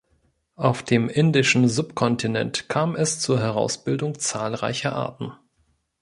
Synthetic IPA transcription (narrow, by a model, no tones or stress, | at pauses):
ʔaʊfd̥eːmʔɪndɪʃn̩zʊpkʰɔntʰinɛ̰ntkʰaːmɛst͡suːɐɦɛʁ̞a̰ʊsb̥ɪldʊŋt͡saːlʁa̰ɪçɐʔa̰ːɐtn̩